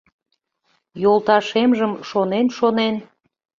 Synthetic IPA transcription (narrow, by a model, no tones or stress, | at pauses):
jolˠt̪ɑʃemʒəmʃonenʃonen